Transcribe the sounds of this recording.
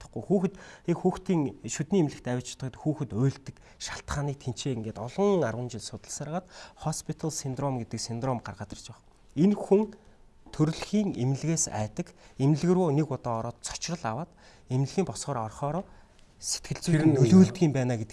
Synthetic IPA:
t̪ə̥̆χɡujxuːxɘ̆t̪ekxuːxt̪iːŋʃut̪niːemɮɘ̆kt̪æwʲɪ̆t͡ɕʰt̪ə̆t̪xuːxɘ̆t̪ʊːɮt̪ɘ̆k | ʃaɬt̪ɢaːniːk̚t̪ʰen̥t͡ɕeːŋɡeːt̪ɔɮɞ̆ŋarwə̆nt͡ɕɪ̆ɮsʊt̪ə̆ɮsaɾʁaːt̪χɔspʰit̪ʰaɮsind̪rɔmɡet̪ɘ̆ksind̪rɔmɢarʁaːt̪ə̆rt͡ɕpæχ | enxuŋ | t̪ʰɵɾɮxiːŋemɮɣeːsæ̰ːt̪ə̆kem̆ɮɣɘ̆rwuːnekɔt̪ɔːɾɔːt̪t͡sʰɔ̥t͡ɕrə̆ɮawaːt̪ | em̆ɮɣʲiːmpɔsʁɔːɾɔrχɔːɾɔː | se̥t̪ɡɘ̆ɬt͡suːnːɵɮuːɮt̪ɡiːmpæːnaːɡet̪ɘ̥̆

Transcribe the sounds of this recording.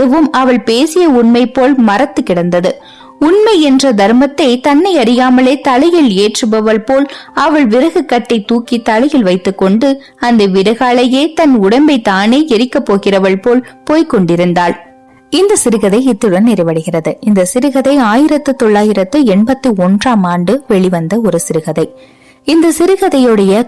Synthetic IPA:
ðɯʋɯmɐʋɐɭpeːsɪjɐʊɳmɐɪpːoːlmɐrɐt̪ːɯkːɪɽɐnd̪ɐðɯ | ʊɳmɐɪɛndrɐd̪ɐɾmɐt̪ːɐɪt̪ɐnːɐɪɐɾɪjaːmɐleːt̪ɐɭɐjɪleːʈrɯbɐʋɐɭpoːlɐʋɐɭʋɪɾɐɣɯkːɐʈːɐɪt̪ːuːkit̪ɐlɐjɪlʋɐɪt̪ːɯkːɔɳɖɯ | ɐnd̪ɐʋɪɾɐɣaːɭɐjeːt̪ɐnʊɽɐmbɐɪt̪aːneːɛɾɪkːɐpːoːɣɪrɐʋɐɭpoːlpoːjkɔɳɖɪɾɯnd̪aːɭ | ɪnd̪ɐsɪɾɯɣɐðɐɪɪt̪ːɯɽɐnnɪɾɐɪʋɐɽɯɣɪrɐðɯɪnd̪ɐsɪɾɯɣɐðɐɪaːjɪɾɐt̪ːɯt̪ɔɭːaːjɪɾɐt̪ːɯɛɳbɐt̪ːɯɔndraːmaːɳɖɯʋɛɭiʋɐnd̪ɐɔɾɯsɪɾɯɣɐðɐɪ | ɪnd̪ɐsɪɾɯɣɐðɐjoɽɐjɐ

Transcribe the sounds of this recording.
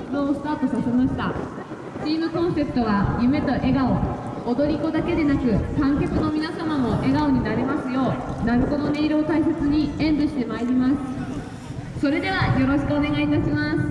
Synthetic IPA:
mɯosɨ̥t̪aːt̪o̞sase̞maɕi̥t̪a | t͡ɕiːmɯ̟kõ̞ɰ̃se̞pɯ̟̥t̪o̞β̞ajɯme̞t̪o̞ʔe̞ɡao̞ː | d̪o̞ɾʲiko̞d̪ake̞d̪e̞nakɯ̟kãŋkʲakɯ̟no̞mʲinasamamo̞ʔe̞ɡao̞ɲ̟inaɾe̞masɨjo̞ːnaɾɯ̟ko̞no̞ne̞iɾo̞ːt̪aise̞t͡sɨɲ̟iẽ̞nd̪ɯ̟ɕi̥t̪emaeɾʲimasɨ̥ | so̞ɾe̞d̪e̞βajo̞ɾo̞ɕi̥kɯ̟one̞ɡait̪aɕimasɨ̥

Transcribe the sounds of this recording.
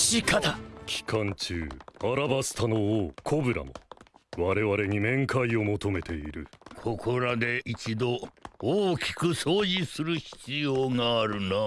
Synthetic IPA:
ɕikat̪akʲi̥kʰãɲt͡ɕɨ̰ːaɾabasɨ̥t̪anoːkʰo̞bɯ̟ɾa̰no̰βaɾe̞βaɾe̞ɲ̟imẽ̞ŋkʰaio̞mo̞t̪o̞me̞t̪e̞iɾɯ̟̰kʰo̞kʰo̞ɾad̪e̞ʔit͡ɕid̪o̞ː | kʲi̥kɯsoːʑisɨɾɯ̟çi̥t͡sɨjoːŋaːɾɯ̟na

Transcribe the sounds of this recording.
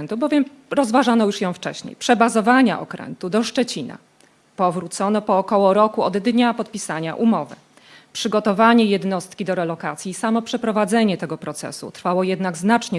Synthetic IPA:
nt̪ubɔvʲjɛm | ɾɔzvaʐanɔjuʂjɔ̃w̃ft͡ʂɛ̰ɕɲḛjpʂɛbazɔvaɲa̰ʔɔ̰kɾɛ̰nt̪ud̪ɔʂt͡ʂɛt͡ɕina̰ | pɔvɾut̪sɔnɔpɔːkɔwɔɾɔkuɔd̪ːɲapɔt̪̚pʲisaɲa̰ʔumɔvɘ̰ | pʂɘɡɔt̪ɔvaɲɛjɛd̪nɔst̪kʲid̪ɔɾɛlɔkat̪sʲjiːsamɔpʂɛpɾɔvad̪zɛɲɛt̪ɛɡɔpɾɔt̪sɛ̰sṵt̪ɾfawɔjɛd̪naɡznat͡ʂɲɛ

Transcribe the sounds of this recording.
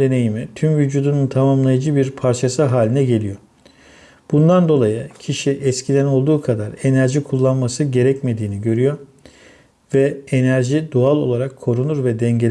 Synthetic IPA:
d̪e̞ne̞jimit̪ʰymvyd͡ʒuːd̪ununt̪ʰamamlˠajad͡ʒɯbiɾpʰaɾt͡ʃʰasɯɦaːlʲinɛɟe̞lʲijo̞ | b̥und̪and̪o̞lˠajɯcʰiʃiʔɛscʰid̪ʲæno̞lˠd̪uːkʰad̪aɾe̞næɾʒikʰulˠːanmasɯɟe̞ɾɛcme̞d̪iːniɟø̞ɾyjo̞ | vɛenæɾʒid̪ualˠo̞̰lˠaɾakʰːo̞ɾunuɾvɛd̪ɛɲɟel

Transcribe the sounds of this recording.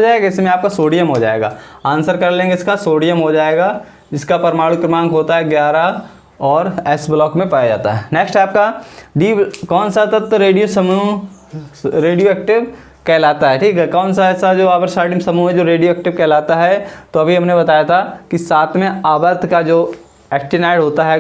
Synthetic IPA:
d͡ʒaːeɡaɪsmẽaːp̚kasoːɽijəmɦod͡ʒa̰ːḛːɡa̰ːãːnsəɾkɐɾlẽːɡeɪskasoːɽijəmɦod͡ʒaːeːɡa | d͡ʒɪskapɐɾmaːɭʊkɾɪmãːŋɡɦoːt̪aɦɛɡjaːɾa | ɔːɾɛːsblɔːkmẽpaːjad͡ʒa̰ːt̪a̰ɦɛneksʈɛːp̚kaɖiːkɔːnsat̪ɐt̪ːɾeːɖijosɐmu | ɾeːɖijoɛːk̚ʈɪʋ | kɛːlaːt̪aɦɛʈʰiːkɛkɔːnsaɛːsad͡ʒoːaːbəɾsaːɖɪmsɐmuɛ̃d͡ʒoːɾeːɖijoɛːk̚ʈɪʋkɛːlaːt̪aɦɛt̪oɐbʱiɦɐmnebɐt̪aːjat̪ʰakisaːt̪ʰmẽaːbəɾt̪ʰkad͡ʒoː | ɛːk̚ʈɪnaːɪɖɦoːt̪aɦɛ

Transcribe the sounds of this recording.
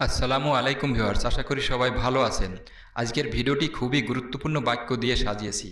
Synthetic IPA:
ɐsːɐlamoalejkumbʱioaɾt͡ɕaʃakoɾiʃɔβajbʱaloat͡ɕʰen | a̰d͡ʑkeɾbʱiɖioʈikʰubiɡuɾut̪ːopuɾnobajkːod̪ijeʃad͡ʑijet͡ɕʰḭ

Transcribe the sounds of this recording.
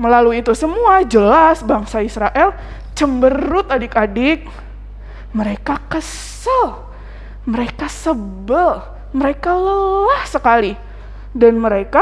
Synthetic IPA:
məlaluit̪usəmuad͡ʒəlasbaŋsaisɾaʔɛl | t͡ʃəmbəɾʊt̪adɪkadɪk̚ | məɾekakə | s | əl | məɾekasəbəl | məɾekallahsəkali | danməɾeka

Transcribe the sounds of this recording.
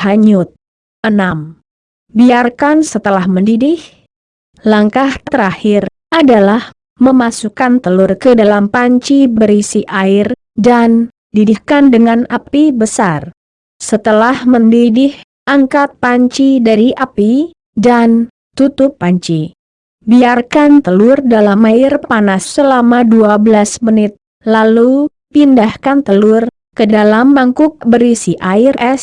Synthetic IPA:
haɲʊt̪̚ | ənam | biarkansət̪əlahməndidɪh | laŋkaht̪ət̪əɾahɪr | ʔadalah | məmasukant̪əlʊrkədalampaɲt͡ʃibəɾisiʔair | dan | didihkandəŋanapibəsar | sət̪əlahməndidɪh | ʔaŋkat̪̚paɲt͡ʃidaɾiʔapi | dan | t̪ut̪ʊpːaɲt͡ʃi | biarkant̪əlʊrdalamaɪrpanasːəlamaduabəlasmənɪt̪̚ | lalu | pindahkant̪əlʊr | kədalambaŋkʊk̚bəɾisiʔaɪrʔɛs

